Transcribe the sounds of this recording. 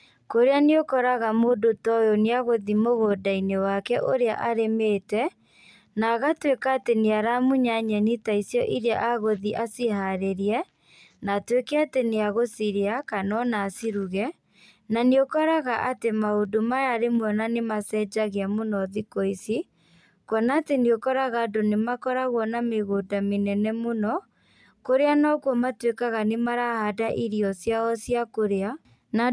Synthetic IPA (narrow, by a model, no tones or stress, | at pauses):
koɾeaneokɔɾaɣamoːdotɔjɔneaɣoðimoɣodainewakɛʔoɾea̰ʔaɾemeːtɛ | naɣatwekaːteneaɾamuɲaɲɛnitaisjɔʔiɾea̰ʔaɣoðiʔasihaɾeɾiɛ | naːtwekɛateneaɣosiɾeakanɔnaːsiɾuɣɛ | naneokɔɾaɣaʔatemaodomajaɾemwɔnanemasɛːd͡ʒaɣeamonɔðikoisi | kwɔnaːteneokɔɾaɣadonemakɔɾaɣwɔnameɣodamenɛnɛmonɔ | koɾeanɔkwɔmatwekaɣanemaɾahadaʔiɾiɔsjaɔsjakoɾea | na